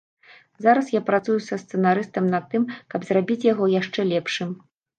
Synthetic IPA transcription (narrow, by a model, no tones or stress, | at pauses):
zaɾɐsjapɾat̪sujusɐst̪sɛnaɾɨst̪ɐmnɐt̪ːɨmkɐbzrabʲit͡sʲjaɣɔjaʂt͡ʂɛlʲɛpʂɨm